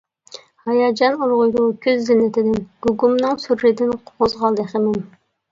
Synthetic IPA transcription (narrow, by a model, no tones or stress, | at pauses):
hɑjɑd͡ʒɑnuɾʁʊjd̪ukʲʰøzːɪnːɪt̪ʰɪd̪ɪnɡ̥uɡumnɨŋsuɾːɪd̪ɪnqʰoʁʊzʁɑlˠd̪ɛχəmɪn